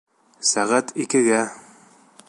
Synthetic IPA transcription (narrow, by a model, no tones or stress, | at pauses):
sæʁæt̪ʰikɘ̆ɡæ